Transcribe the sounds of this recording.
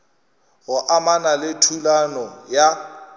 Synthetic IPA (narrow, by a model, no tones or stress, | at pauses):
ɣʊʔamanalɪtʰulanɔja